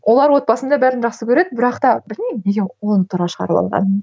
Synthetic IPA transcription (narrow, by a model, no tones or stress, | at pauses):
wʔo̞lˠɑɾwo̞t̪̚pɑsənd̪ɑbæɾɪnʒɑχsəkʲʰɵɾed̪ɪbɪɾɑqt̪ɑbɪɾnemneɡʲewolˠt̪ʰʊɾʁɑʃəʁɑ̰ɾəpɑ̰lˠʁɑ̰n